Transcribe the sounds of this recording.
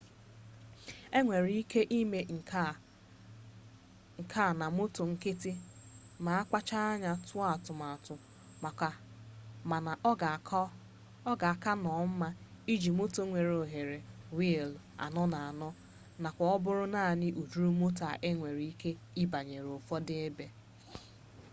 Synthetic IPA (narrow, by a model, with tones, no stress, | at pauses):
e˦ŋʷe˨ɾii˦kʰe˦ʔi˦me˨ | ŋ̩˨kʰa˦˨na˨mʊ˦to˨ŋ̩˦kɪ˦tɪ˦ | ma˨a˦kʷa˦t͡ʃa˦a˦ɲa˨tʊ˦a˨tʊ˨ma˨tʊ˨ | ma˨ka˨ | ma˨na˨ʔɡa˨k | ɔ˦ɡa˨a˨ka˦nɔ˨m̩˦ma˦i˦d͡ʒi˨mʊ˦to˦ŋʷe˨ɾo˨ɦe˨ɾe˨wi˦e˨l | a̰˨nɔ˦na˨a˨nɔ˦ | na˨kʷa˨ɔ˦bʊ˦ɾʊ˦naː˦˨nɪ˦ʔu˨d͡ʒu˦ɾu˦mʊ˦ta˨ʔe˦ŋʷe˨ɾi˦ke˦ | i˦ba˨ɲe˨ɾo˨fɔ˦dɪ˦e˦be˦